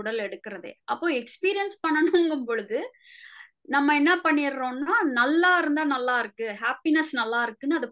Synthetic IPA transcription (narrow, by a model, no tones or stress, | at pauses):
ʊɽɐlɛɽɯkːɪɾɐðɯ̰ʔɐpːoːɛkspiːɾɪjɐnspɐɳːɐnʊŋɡɯmpoɻɯðɯ | nɐmːɐɛnːɐpɐɳːɪɾɾõːnːaːnɐlːaːɪɾɯnd̪aːnɐlːaːɪɾɯkːɯhaːpinɐsnɐlːaːɪɾɯkːɯnːɯɐðɯ